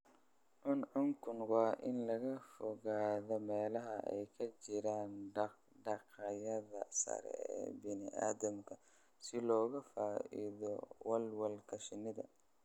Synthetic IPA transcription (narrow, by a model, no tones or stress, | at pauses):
ʔʊnʕʊŋkʰʊnwɑːʔɪnlɐɣɐfɔɣaːðɔmɛːlɐɦɐʔɛ̰jkʰɐt͡ʃɪɾaːnɖɑ | ɖɑqɐjɐðɐsɐ̰ɾɛ̰ɛ̰ːbɪnɪʔa̰ːðɐmkʰɐ | sɪlɔːɣɐfaːʔḭðɔwɐlwɐlkʰɐʃɪnɪðɐ̰